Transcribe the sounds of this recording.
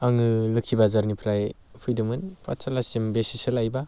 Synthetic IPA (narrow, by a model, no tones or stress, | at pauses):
aŋɯlɯkʰːibazaɾnipʰɾaj | pʰujdɯmɯnpa̰sʰalasimbesisɯlajba